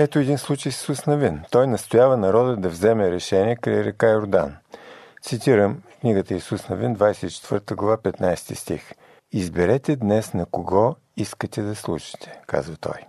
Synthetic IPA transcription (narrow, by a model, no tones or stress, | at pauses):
ɛt̪oɛd̪inslˠut͡ʃəjssusnɐvint̪ɔjnɐst̪ʊjavənɐɾɔd̪əd̪ɐvzɛmɛɾɛʃɛniɛkɾɐ̰jɾɛkaiɾʊd̪a̰nt̪sit̪iɾəmkniɡət̪əisusnɐvind̪vajsɛt̪it͡ʃɛ̥t̪vɤɾt̪əɡlˠɐvapɛt̪najst̪ist̪ḭx | izbɛɾɛt̪ɛd̪nɛsnɐkoɡɔ | iskət̪ɛd̪ɐslˠṵʃi̥t̪ɛ̥ka̰zvət̪ɔ̰j